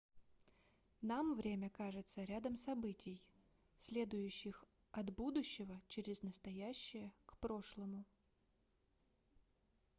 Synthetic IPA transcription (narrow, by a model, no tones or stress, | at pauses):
namvɾʲemʲəkaʐɨt̪səɾʲad̪əmsɐbɨtʲʰɪj | sʲlʲe̞d̪ʊjʉɕːɪx | ɐd̪bud̪ʊɕːɪvət͡ɕɪɾʲɪznəst̪ɐjæɕːɪjəkpɾo̞ʂlˠəmʊ